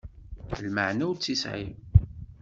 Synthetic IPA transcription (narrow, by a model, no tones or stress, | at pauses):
lməʕnæwt͡sːisʕḭm